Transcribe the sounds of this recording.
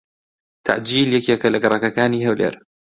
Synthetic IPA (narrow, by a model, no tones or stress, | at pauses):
t̪ʰa̰ʕd͡ʒiːljakiakalʔakɾˤɑkakaːnihawlʔɪ̰ɾ